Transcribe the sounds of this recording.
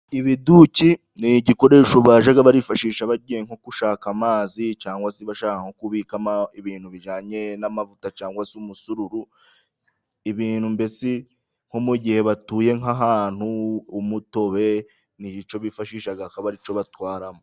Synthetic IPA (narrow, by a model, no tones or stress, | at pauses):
iβiduci | niɟiko̞ɾe̞ːʃoβaʒaɡaβaɾifaʃiːʃaβaɟiːje̞ŋho̞kuʃaːkamaːzit͡ʃaːŋɡwasiβaʃaːkaŋ̥o̞kuβiːkamaiβiːnhuβiʒaːɲe̞namavutat͡ʃaːŋɡwasumusuɾuɾu | iβiːnhumbesi | ŋ̥ho̞muɟihe̞βatuːje̞ŋaɦaːn̥huːmuto̞βe̞ | nit͡ʃo̞βifaʃiːʃaɡahakaβaɾit͡ʃo̞βatwaːɾamo